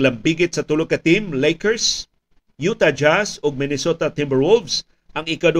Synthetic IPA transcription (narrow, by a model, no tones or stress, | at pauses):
lɐmbiɡɪt̪sɐt̪ʊloɡkɐt̪ɪmlejkɛɹs | jut̪ad͡ʒasʊɡ̚mɪnɛsot̪at̪ɪmbəɹwʊlvs | ʔɐŋɪkad̪o